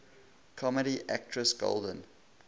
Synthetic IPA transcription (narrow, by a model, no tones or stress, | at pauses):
kʰɔməɾiʔæk̚tʰɹəsɡ̥o̰lˠdə̃n